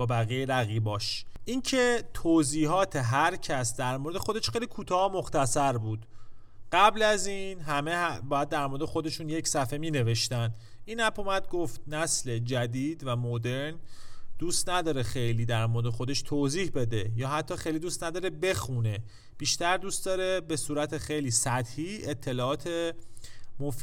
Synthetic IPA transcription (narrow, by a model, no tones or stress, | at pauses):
bɒːbæɣijeɾæɣiːbɒːʃʔincʰe̞t̪ʰoːziːɦɒːt̪ʰe̞ɦæɾcʰæsd̪æɾmoɾed̪exo̞d̪eʃxejlikʰuːt̪ʰɒːhomo̞xt̪æsæɾbuːd̪̥ | ɢ̥æblæziːnɦæmebɒːjæd̪ːæɾmo̞ɾed̪exo̞d̪e̞ʃuːnje̞csæfe̞miːne̞ve̞ʃt̪æn | iːnæpʰomæd̪̚ɡoft̪̚næsle̞d͡ʒæd̪iːd̪væmod̪e̞ɾnd̪̥uːst̪næd̪ɒːɾe̞xe̞jliːd̪æɾmoɾed̪exod̪e̞ʃt̪ʰoːziːhbe̞d̪e̞jɒːɦæt̪ʰːɒːxejlid̪uːst̪næd̪ɒːɾe̞be̞xune̞ | b̥iːʃt̪æɾd̪uːst̪d̪ɒːɾe̞be̞suːɾæt̪ʰexe̞jliːsæt̪hiːet̪ʰːe̞lɒːɒːt̪ʰe̞ | mof